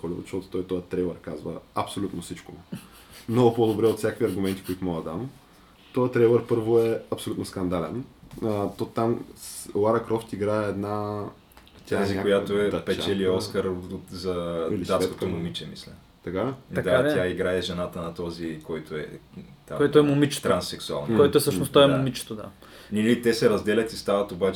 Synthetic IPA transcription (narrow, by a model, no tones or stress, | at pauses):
ɔlʲivʊ̰t̪ʃt̪ɔt̪o̥t̪ɔjt̪ɔjət̪ɾɛjlˠɛɾkazvə̰ɐpsolʲut̪nosit͡ʃko | mnɔɡʊpod̪obɾɛot̪sʲjakəkvʲiɐɾɡʊmɛnt̪i̥koit̪ʊmɔɡd̪əd̪am | t̪ɔjət̪ɾɛjlˠɛɾpɤɾvoɛɐpsolut̪noskɐnd̪alɛ̰nət̪ot̪amslˠaɾɐkɾɔft̪iɡɾaɛɛd̪na | t̪ʲaazikakojat̪oɛpɛt͡ʃɛliɔskəɾot̪zɐlid̪at̪sko̥t̪omʊmit͡ʃɛmḭslʲɐ | t̪ɐkad̪aat̪jaiɡɾaɛʒɛnat̪ənɐt̪ɔzikɔjt̪oɛ̰t̪a̰kɔɛt̪oɛmʊmit͡ʃt̪ɾansːɛksua̰lˠnkɔɛt̪oɛsənost̪ɔɛmʊmit͡ʃɛ̥t̪od̪a̰ | nilit̪ɛsɛɾɐzd̪ɛlʲɐt̪ist̪avɐt̪obat͡ʃ